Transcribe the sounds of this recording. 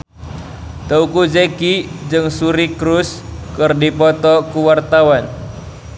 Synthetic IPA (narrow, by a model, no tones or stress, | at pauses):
t̪əukud͡ʒekid͡ʒɨŋsuɾikɾuskɨrdipɔt̪ɔkuwart̪awan